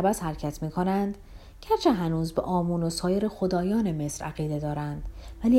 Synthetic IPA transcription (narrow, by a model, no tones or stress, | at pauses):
æbæshæɾcʰæt̪ʰmiːkʰo̞nænd̪̥ | cʰæɾt͡ʃʰeɦænuːzbḛʔɒːmuːnosɒːje̞ɾexo̞d̪ɒːjɒːneme̞sɾæɣiːd̪e̞d̪ɒːɾænd̪̥væliː